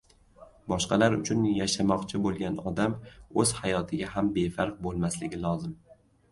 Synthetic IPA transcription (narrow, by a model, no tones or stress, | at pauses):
bɒʃqɑlaɾʊ̰t͡ʃʰʊnjaʃamɒqt͡ʃʰɪbolˠɡʲanɒd̪amɵz̥hajɒt̪ʰɪɡʲaɦambe̞faɾq̚bolˠmaslɪɡʲɪlˠɒzɪm